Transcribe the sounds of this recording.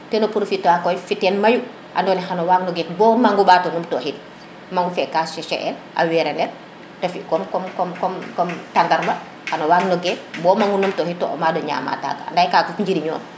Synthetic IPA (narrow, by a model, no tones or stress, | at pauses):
tɛnɔpuɾofitːwakɔjfitːɛnmaju | ʔa̰ndɔːnɛxanɔwaɡnɔɡɛkbɔːmaŋɡubaːtɔnumtɔhit̚ | maŋɡufɛkaːsʃɛʃɛ̰ʔɛ̰l | ʔa̰wɛɾɛndɛɾ | tɐfikɔmkɔmkɔmkɔmkɔmtandaɾmɐ | xanɔwaɡnɔɡɛt̚bɔːmaŋɡunumtɔhitːɔ̰ʔɔ̰madɔɲa̰ːma̰ta̰ːɡaa̰ndajkaːkuɲd͡ʒiɾiɲɔ̰ːn